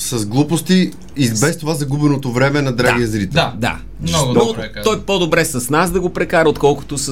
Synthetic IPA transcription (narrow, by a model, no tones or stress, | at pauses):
sɐzɡlˠupost̪i | ibɛst̪ovazɐɡubɛnot̪ovɾɛmɛnɐd̪ɾaɡiɐzɾit̪ɛd̪a̰ | not̪ɔjpod̪obɾɛsɐsnasd̪ɐɡopɾɛkaɾɐot̪kɔlˠko̥t̪ʊs